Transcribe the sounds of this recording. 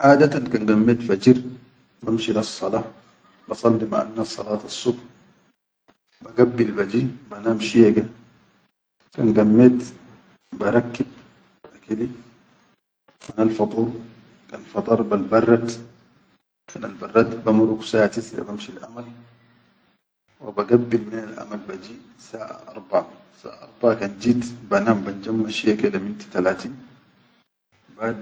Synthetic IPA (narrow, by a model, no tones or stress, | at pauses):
ʔaːd̪at̪ankanɡamːet̪fad͡ʒiɾ | bamʃilɑsˤːɑlɑː | bɑsˤɑlːima̰ʔa̰nːasˤːɑ̰lɑːt̪ɑsˤːub | baɡabːilbad͡ʒibanamʃiɡa | ka̰nɡamːet̪ | baɾˤɑkːib̚ | akid̪i | manalfɑt̪ˤuːɾ | kanfɑt̪ˤɑɾˤbalbɑrˤːɑt̪ | manalbɑrˤːɑt̪bamɾuksaːʔat̪isɾa̰bamʃilʔamal | wa̰baɡabːilminalʔa̰malbad͡ʒiː | saːʔa̰ʔɑ̰ɾˤba | sa̰ːʔʔɑɾˤbakand͡ʒiːt̪banamband͡ʒamːaʃiakelamɪnt̪t̪alaːt̪iːn | bad̪